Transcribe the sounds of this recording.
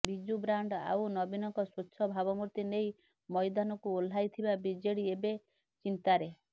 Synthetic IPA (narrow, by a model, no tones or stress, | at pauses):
bid͡ʒubɾaɳɖa̰wnɔbinɔŋkɔswutːʃʰɔbʱaβɔmuɾt̪inej | mɔjd̪anɔkuol̤ːajt̪ʰibabid͡ʒeɽiebe | t͡ʃint̪aɾe